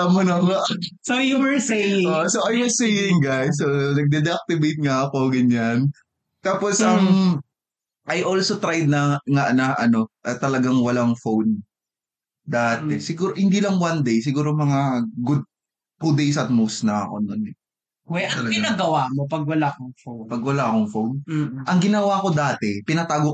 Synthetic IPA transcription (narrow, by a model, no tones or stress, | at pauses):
ɐmonɐŋɐʔsojuwɛɹsejɪoŋʔsoʔajwɛsejɪŋɡajsːonɐɡ̚d̪ɛd̪ɛak̚t̪ɪbejt̪̚ŋɐɐko̞ɡɐɲan | t̪aːposʔɐm | ʔɐjʔoːlsot̪ɾajd̪̚nɐŋaʔnɐʔɐno̞ʔɐt̪ɐlɐɡaŋwɐlaŋfown | d̪aːt̪ɛsɪɡuːɾohɪnd̪iːlɐŋwand̪ejs̬ɪɡuːɾomɐŋaɡʊd̪̚ | ɡud̪ejsɐt̪̚mowsnɐɐko̞̰nonɛ | ɛɐɐɐɡɪnaːɡɐwaːmopɐɡ̚wɐlaːkoŋfownpɐɡwɐlaːɐkoŋfownʔɐŋɡɪnɐwako̞d̪aːt̪ɛpɪnɐt̪aːɡo